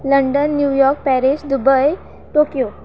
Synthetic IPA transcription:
ləɳɖənːjujɔɾk̚pɛɾiɕd̪ubəj | ʈokijo

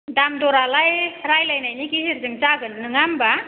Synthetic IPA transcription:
damdɔɾalajɾajlajnajnikiɦiɾzɯŋt͡ʃaɡɯnnɯŋamba

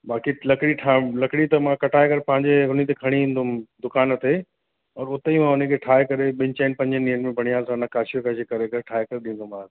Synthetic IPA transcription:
baːkilɐkɪɽiʈʰaːlɐkɽit̪ɐmãkɐʈʰaːekɐɾepɐ̃ɦɪ̃ɲd͡ʑeɦʊnit̪ekʰɐɽ̃iĩːnd̪ʊmd̪ʊkaːnt̪e | ɔːɾʊt̪eimãʊnə̃kʰeʈʰaːekɐɾeɓɪ̃ɲt͡ɕaːɪnpɐ̃ɲd͡ʑəniːənmẽbʱɐɽ̃ijaːlsãnãkaːʃijokʰaʃekɐɾekɐʈʰaːɦekɐɾeɗĩːnd̪omãː

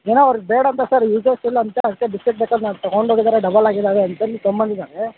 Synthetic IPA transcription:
eːnoɐʋɾiɡbeːɽɐnt̪ɐsɐɾjiːd͡ʒesilːɐnt̪ɐɐd̪ikːebiskeʈ̚beːkad̪naːnt̪ɔɡoɳɖʱoːɡid̪aːɾeɖɐbɐlaːɡid̪aːʋeɐnt̪ɐniːsombɐnd̪id̪aːɾe

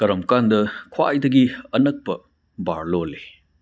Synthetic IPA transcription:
kɐɾɐmkandɐkʰwa̰jdɐɡiɐnɐk̚pɐ | baɾlole

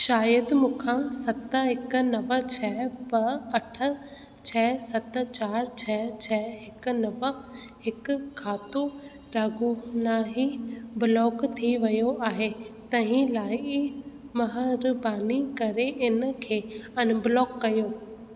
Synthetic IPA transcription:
ʃaːjəd̪mũːkʰãsɐt̪əɦɪknɐʋə̆t͡ɕʰɛːbɐɐʈʰə̆ | t͡ɕʰɛːsɐt̪̆t͡ɕaːɾt͡ɕʰɛt͡ɕʰɛːɦɪkʊ̆nɐʋə̆ | ɦɪkʊkʰaːt̪o | ɖaːɡonaːɦibɪlɔːkt̪ʰiʋɐjoʔaːɦet̪ɐɦĩlaːɪ | mɐɦəɾbaːnikɐɾeʔɪnkʰeːɐnbɪlɔːkːɐjoː

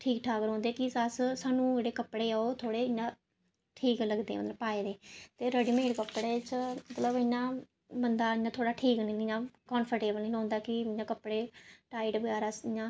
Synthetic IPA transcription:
ʈʰiːkʈʰaːkəɾɦõːnd̪eːkɪsəssaːnũːd͡ʒeːɽeːkəpːɽeːaoːt̪ʰoːɽeːɪɲãː | ʈʰiːkləɡd̪eːmə̰t̪ləbpaːeːd̪eːt̪eːɾəɖiːmẽːʈkəpːɽeːt͡ʃmət̪ləbɪɲãː | bənd̪aːɪɲãːt̪ʰoːɽaːʈʰiːknĩnɪɲãːkɔːnpʰəɾʈeːbəlnĩːɦõːnd̪aːkɪɪɲãːkəpɽeːʈaːɪʈbəɡɛːɾaːsɪɲãː

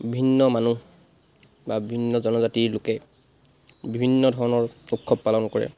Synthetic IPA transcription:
bʱinːɔmanu | babibʱinːɔzɔnɔzatiɹlʊkɛ | bibʱinːɔdʱɔɹɔnɔɹukʰːɔb̚palɔnkɔɹɛ̰

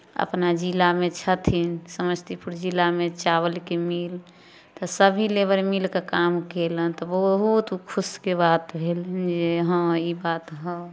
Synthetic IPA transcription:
ə̰pnad͡ʒilamet͡ʃʰət̪ʰinsəməst̪ipuɾd͡ʒilamet͡ʃabəlkemil | t̪ɔsəbʱilebəɾmilkekamkelənt̪ɔbəɦɦut̪kʰuskebat̪bʱelnd͡ʒeɦə̃ibat̪ɦə

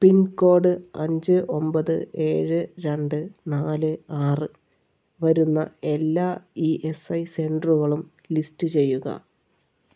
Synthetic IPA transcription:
pinko̞ːɖɨɐ̰ɲd͡ʑɨʔo̞mbɐðɨʔe̞ːɻɨɾe̞ɳɖɨnaːlɨaːrɨ | ʋɐɾunːɐ̰e̞lːaːiːʔesɐjse̞ɳɖruɣɐɭum | listɨt͡ɕe̞jːuɣɐ̰

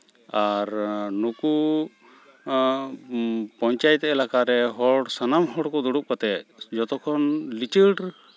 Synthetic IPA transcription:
aɾnuku | pɔɲt͡ʃajt̪ːɛʔɛlakaɾɛɦɔɽsanamɦɔɽkɔd̪ɔɽuʔ̚kat̪ɛt̪̚d͡ʒɔt̪ɔkʰɔnlit͡ʃəɖ

